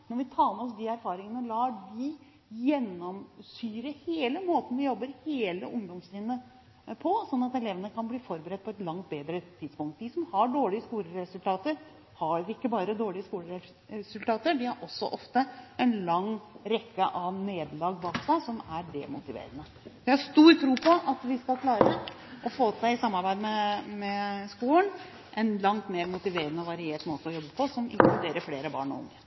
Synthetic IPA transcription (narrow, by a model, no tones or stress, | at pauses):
nɔɾʋɪt̪ʰɑːməɔs̬d̪iæɾfɑːɾɪŋənəlɑːɖi | jɛnːɔmsyːɾəheːləmoːt̪n̩ʋɪjɔbːəɾheːlə̰ʔʊŋd̪ɔmslɪːnːə | pʰɔsɔnːɑt̪ɛleːʋənəkʰɑnbliːfɔɾbəɾɛt̪̚ːpʰɔɛt̪lɑŋt̪̚beːd̪ɾət̪ʰɪd̪spʊŋkt̪̚d̪isɔmhɑɖoːɭɪəskuːɾəɾɛsʉlt̪ʰɑːt̪əɾ | hɑɾɪkːəbɑːɾəd̪oːɭɪəskuːlə | ɛsʉlt̪ʰɑːt̪əɖɪhɑɾʔɔsːɔ̰ʔɔft̪əɛnlɑŋːɾɛkːəʔɑʋneːd̪lɑːɡbɑːksæɪsɔmæɾɖɛ̰mʊt̪ɪʋḛːɾənə | jæhɑɾʂt̪uːɾt̪ʰɾuːpʰɔʔɑt̪ʋɪskɑlkʰlɑːɾə | ʔɔfoːsæɪɪsɑmːɑɾbæɪd̪mɛmɛskuːlən | ʔɛnlɑŋt̪meːɾmʊt̪ɪʋeːɾənəɔʋɑɾɪeːʈmoːt̪əɔjɔbːəpʰɔsɔmʔɪ̰ŋklʉd̪eːɾəfleːɾəbɑ̰ːɳɔ̰ʊ̰ŋːə